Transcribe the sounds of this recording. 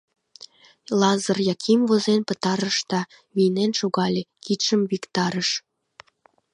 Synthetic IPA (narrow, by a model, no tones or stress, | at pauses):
lɑzərjɑkʰimvozenpət̪ɑɾəʃt̪ɑ | βinenʃoɣɑlʲekit̪ʃəmβikt̪ɑɾəʃ